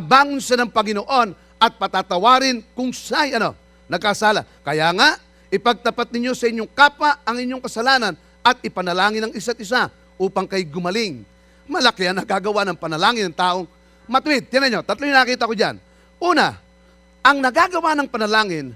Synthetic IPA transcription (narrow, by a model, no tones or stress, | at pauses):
baːŋʊnsanɐŋpɐŋɪnoʔo̞n | ɐt̪̚pɐt̪at̪ɐwaːɾɪnkʊŋsajɐno̞̰ | nɐɡ̚kasaːla | kɐjaŋaʔ | ɪpɐɡ̚t̪ɐpat̪̚nɪɲo̞sɐʔɪɲjoŋkaːpaɐŋɪɲjoŋkɐsɐlaːnɐn | ɐt̪ɪpɐnɐlaːŋɪnɐŋɪs̬at̪̚ɪs̬a | ʔuːpɐŋkɐjɡʊmɐlɪŋ | mɐlɐkɪɐŋnɐɡaɡɐwanɐŋpɐnɐlaːŋɪnɐŋt̪aːʔoŋ | mɐt̪wɪd̪̚janɐɲot̪ɐt̪loɲnɐɐkiːt̪ɐkod͡ʒa̰n | ʔuːna̰ | ʔɐŋnɐɡaɡɐwanɐŋpɐnɐlaːŋɪn